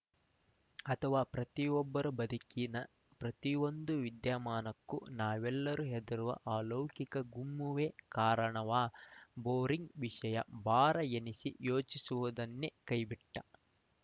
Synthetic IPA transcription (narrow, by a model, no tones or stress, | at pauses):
ɐt̪ʰɐʋaːpɾɐt̪iɔbːɐɾubɐd̪ikinɐ | pɾɐt̪iond̪uʋid̪jaːmaːnɐkːunaːʋɛlːɐɾuɦed̪ɐɾuʋɐ̰ʔaːloːkikɐɡumːuʋeːkaːɾɐɳɐʋaːboːɾiŋɡʋiʂɐjɐ̰baːɾɐjenisḭjoːt͡ʃisuʋud̪ɐnːekɐjbiʈːɐ